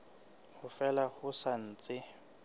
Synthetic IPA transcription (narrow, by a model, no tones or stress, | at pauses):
hʊfɛlahʊsan̩ːt͡sʼɪ